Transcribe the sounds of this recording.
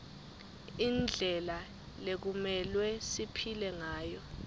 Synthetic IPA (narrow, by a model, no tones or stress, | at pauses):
ind͡ɮʱɛla | lek̬umɛlwɛsipʰilɛŋaːjɔ